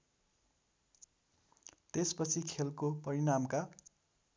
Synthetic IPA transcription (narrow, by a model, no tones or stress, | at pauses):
t̪espʌt͡sʰikʰelkopʌɾinamka